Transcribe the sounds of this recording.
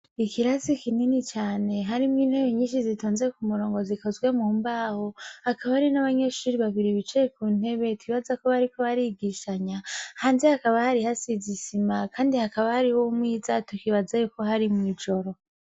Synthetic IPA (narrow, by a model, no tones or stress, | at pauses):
ikiɾasikininit͡ʃaːne̞ɦaɾimŋiːn̥he̞βeɲiːʃizitʰoːnzeekumuɾo̞ːŋɡo̞ziko̞zɡwe̞muːmbaːhoakaβahaɾinaβaɲe̞ʃuːɾiβaβiɾiβit͡ʃejekuːn̥e̞βe̞twiβazakoβaɾikoβaɾiɡiʃaɲahaːnzehakaβahaɾihasizisimakʰaːndihakaβahaɾihomŋiːzatukiβazajuko̞haɾimŋiːd͡ʒo̞ɾo̞